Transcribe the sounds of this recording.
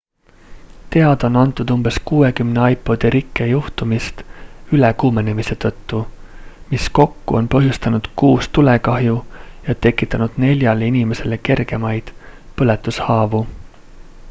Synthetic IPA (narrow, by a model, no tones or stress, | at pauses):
t̪e̞ɑd̪̥o̞nɑnt̪ːˑud̪̥umbe̞skuːe̞kymne̞ɑjpˑo̞d̪̥iɾikˑːejuht̪umist̪ylekuːme̞ne̞mise̞t̪ɤ̞t̪ːumisko̞kːṵo̞̰npɤɦjust̪ɑnud̪̥kuːst̪ule̞kɑɦjujɑt̪e̞kːˑit̪ːˑɑnud̪̥ne̞lʲjɑleinʲime̞se̞le̞ke̞rɡ̥e̞mɑjd̪̥ | pɤlet̪ːˑushɑːvu